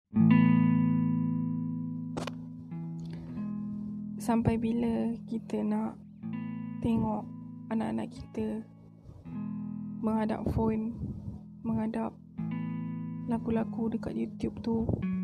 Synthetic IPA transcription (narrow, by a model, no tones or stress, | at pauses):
sampajbiləkit̪ənaʔ | t̪eŋɔʔanaʔana̰ʔki̥t̪ə | məŋada̰p̚fon | məŋadap̚ | lakulakudəka̰t̪̚jut̪jub̚t̪u